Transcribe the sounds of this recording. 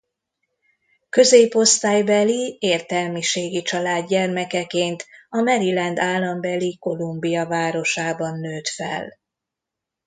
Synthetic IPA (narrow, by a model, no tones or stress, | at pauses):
kø̞zeːpo̞st̪aːjbɛlieːrt̪ɛlmiʃeːɡit͡ʃɒlaːd̪ɟɛrmɛkɛkeːnt̪ɒmɛɾilɛnd̪aːlːɒmbɛliko̞lumbijɒvaːɾo̞ʃaːbɒnːøːt̪fɛ̰l